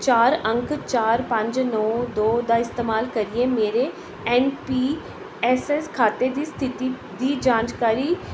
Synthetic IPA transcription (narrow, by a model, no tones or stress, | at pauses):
t͡ʃaːɾə̃ŋkt͡ʃaːɾpə̃ɲd͡ʒnɔːd̪oːd̪aːɪst̪eːmaːlkəɾieːmeːɾe | ɛːnpiː | ɛːsɛskʰaːt̪ed̪iːst̪ʰɪt̪i | d̪iːd͡ʒãːnd͡ʒkaːɾiː